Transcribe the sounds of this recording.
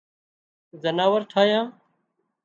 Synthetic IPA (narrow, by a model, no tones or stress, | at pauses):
zənaːʋəɾʈʰaːjãː